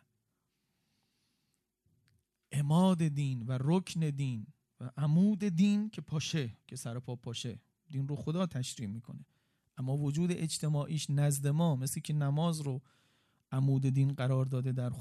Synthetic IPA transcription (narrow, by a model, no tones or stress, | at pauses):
ʔemɒːd̪e̞d̪iːnvæɾocʰne̞d̪iːn | væʔæmuːd̪e̞d̪iːncʰe̞pʰɒːʃe̞cʰesæɾo̞pʰɒːpʰɒːʃe̞ | d̪iːnroxod̪ɒːt̪ʰæʃɾiːʔmiːkʰo̞ne̞ | ʔæmːɒːvod͡ʒuːd̪eʔed͡ʒt̪ʰe̞mɒːʔiːʃnæzd̪e̞mɒːmesliːcʰe̞næmɒːzɾo | ʔæmuːd̪ed̪iːnɢæɾɒːɾd̪ɒːd̪ed̪æɾ